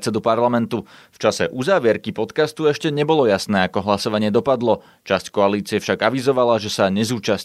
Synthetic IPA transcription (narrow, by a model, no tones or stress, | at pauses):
t͡sɛd̪upaɾlamɛnt̪uft͡ʃasɛʔuzaːʋɪɛɾkipɔt̪kast̪uɛʃcɛɲɛbɔlɔjasnɛːakɔɦlasɔʋaɲɪɛd̪ɔpad̪lɔ | t͡ʃasckɔaliːt͡siɛfʃaɡaʋizɔʋalaʒɛsaɲɛzuːt͡ʃas